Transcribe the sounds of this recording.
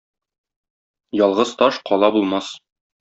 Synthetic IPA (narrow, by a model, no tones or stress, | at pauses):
jɒlˠʁɤzt̪ɒʃqɒlˠɑbulˠmɑs